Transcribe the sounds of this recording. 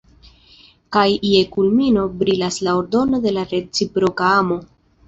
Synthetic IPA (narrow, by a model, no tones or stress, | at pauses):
kajie̞kulmino̞bɾilaslao̞ɾdo̞no̞de̞laɾe̞t͡sipɾo̞kaamo̞